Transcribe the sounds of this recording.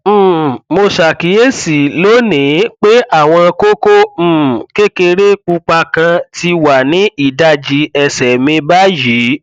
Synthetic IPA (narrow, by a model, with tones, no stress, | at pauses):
m̩˨mo˧ʃa˨ki˨˦je˦si˨lo˦nĩ˨˦k͡pe˦a˦˨w̃ɔ̃˧ko˦ko˦m̩˨ke˦ke˧ɾe˦k͡pu˧k͡pa˧kã˧ti˧wa˨nĩ˨˦i˦˨da˧d͡ʒi˧˦ɛ˧sɛ˨mĩ˧ba˦ji˨˦